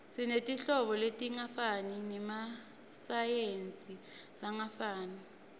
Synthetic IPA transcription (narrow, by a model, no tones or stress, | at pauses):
sinetʼiɬɔɓɔletʼiŋafaninɛma | sajent͡sʼilaŋafaːna